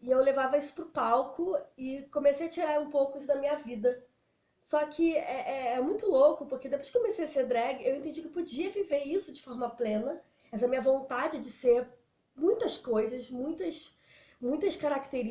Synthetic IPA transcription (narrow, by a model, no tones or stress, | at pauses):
ɪewlevavɐisʊ̥pɾʊpawkʊɪkomesejɐt͡ʃiɾaɾũpowkʊisʊd̪ɐmĩɲɐvid̪ɐ | sɔkʰɪɛʔɛɛɐmũj̃t̪ʊlokʊpʊɾked̪epojʃɡ̥ɪkɪkomesejɐseɾd̪ɾɛɡɪewẽnt̪ẽd͡ʒikɪpod͡ʒiɐviveɾisʊd͡ʒɪfɔɾmɐplẽnɐ | ɛs̬ɐmĩɲɐvõt̪ad͡ʒɪd͡ʒɪseɾ | mũj̃t̪ɐskojzɐsmũj̃t̪ɐʃ | mũj̃t̪ɐskaɾakt̪eɾi